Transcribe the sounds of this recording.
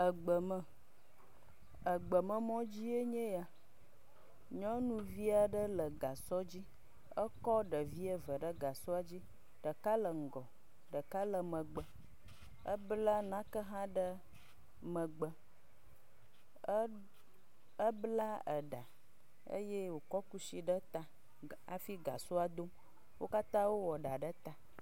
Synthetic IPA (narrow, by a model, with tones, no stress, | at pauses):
ə˨ɡ͡bə˨mə˨ | ə˨ɡ͡bə˨mə̃˦mɔ̃˦d͡ʑi˦e˦ɲẽ˦ja˨ | ɲɔ̃˦nũ˨vi˦a˨ɖə˦lə˨ɡa˨sɔ˦d͡ʑi˦ | ə˦kɔ˦ɖə˨vi˦e˦və˨ɖə˦ɡa˨sɔ˦a˨d͡ʑi˦ | ɖə˨ka˦lə˨ŋ̩˨ɡɔ˨ | ɖə˨ka˦lə˨mə̃˨ɡ͡bə˨ | ə˦bla˦nã˦kə˦ɦã˦ɖə˦ | mə̃˨ɡ͡bə˨˦ | ə˦bla˦ə˨ɖa˨ | ə̰˦je˦wo˨kɔ˦ku˦si˨ɖə˦t̪a˦ | a̰˨fi˦ɡa̰˨so˦a˨d̪o˦m | wʔo˦ka˦t̪ã˦wo˦wɔ˨ɖa˨ɖə˦t̪a˨